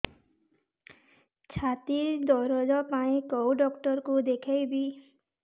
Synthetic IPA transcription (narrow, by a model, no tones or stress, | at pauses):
t͡ɕʰat̪iɾd̪ɔɾɔd͡ʒɔpaĩkowɖɔkʈɔɾkud̪ekʰejbi